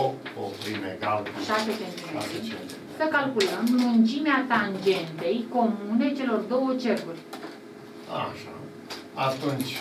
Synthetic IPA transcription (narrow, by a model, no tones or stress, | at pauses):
oopɾimeɡalʃat̪et̪ent̪ueae | səkalkuləmːunt͡ʃimeat̪and͡ʒe̞nt̪e̞jko̞mune̞t͡ʃe̞lo̞rd̪o̞wət͡ʃe̞rkurʲ | a̰ʃa̰ | at̪unt͡ʃʲ